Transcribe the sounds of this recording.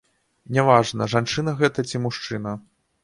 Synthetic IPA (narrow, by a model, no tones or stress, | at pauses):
nʲavaʐnɐʐant͡ʂɨnɐɣɛt̪ɐt͡sʲimuʂt͡ʂɨnɐ